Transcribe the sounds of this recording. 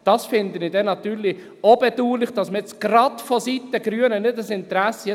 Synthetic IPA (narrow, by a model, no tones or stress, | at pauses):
d̥ɑsfɪnd̪ənɪdɛnɑt̪yːɾli | obɛduːlɪχd̥ɑsməɛt͡sɡ̥rɑtfɔsitːəɡɾyənənɪdəsɪnt̪ɾæsə